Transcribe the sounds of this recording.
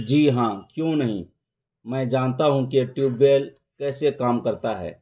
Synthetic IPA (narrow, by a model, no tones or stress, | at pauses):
d͡ʒiːɦãːkjõːnɐɦḭ̃ | mɛ̃ːd͡ʒaːnt̪aɦũkeʈjuːbːeːl | kɛːsekaːmkɐɾt̪aɦɛ̰ː